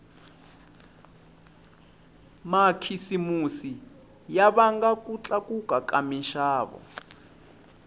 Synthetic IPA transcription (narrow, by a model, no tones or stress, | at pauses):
makʰisimusi | jaβaŋɡakʼut͡ɬʼakʼukʼakamiʃaːβɔ̰